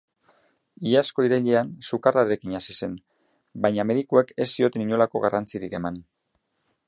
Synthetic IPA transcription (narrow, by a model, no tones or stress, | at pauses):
iasko̞iɾeʎeansukaraeɾekiɲasise̞n | bajɲame̞ðikue̞ke̞sːio̞t̪e̞niɲo̞lako̞ɣa̰rant͡siɾike̞man